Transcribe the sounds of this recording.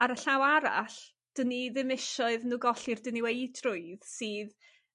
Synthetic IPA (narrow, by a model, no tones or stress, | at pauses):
aɾəɬawaɾa̰ɬ | d̥əniðɨmɪʃɔɨðnuːɡɔɬirdəniwejdʰrʊɨðsiːð